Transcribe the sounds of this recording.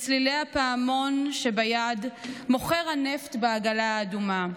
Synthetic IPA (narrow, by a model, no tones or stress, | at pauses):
t͡slilejapaːmo̞nʃebajadmo̞χeʁhaneftbeaɡalaaːduma